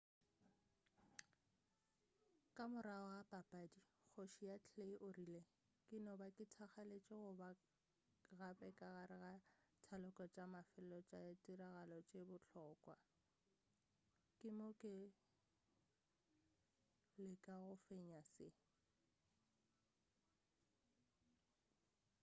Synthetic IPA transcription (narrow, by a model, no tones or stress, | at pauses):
kʼamʊɾaɔapʼapʼadik͡xʰoʃijat͡ɬʰeiʔʊrile | kʼɪnɔbakʼɪtʰaχalet͡ʃʼɪɣʊba | ɣapɛkʼaɣaɾɪɣatʰalʊkʼɔt͡ʃʼamafɪllɔt͡ʃʼaatʼiraɣalɔt͡ʃʼebʊt͡ɬʰɔːkʼwa | kʼɪmʊkʼɪ | lɪkʼaɣʊfeɲasɪ